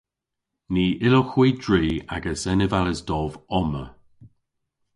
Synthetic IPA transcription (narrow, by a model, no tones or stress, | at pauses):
niːʔɪloxwiːdɹiːa̰ɡəsɛnəvaləsdɔvɔmə̰